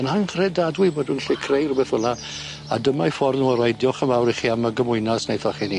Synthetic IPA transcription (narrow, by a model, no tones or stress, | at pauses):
ənaŋχrɛdadwɪboːdunɬɪkʰrejrbɛθəla | a̰dəmaifɔrnuəɾajdjɔχəmawɾiχiaməɡəmʊɨnasnejθɔχini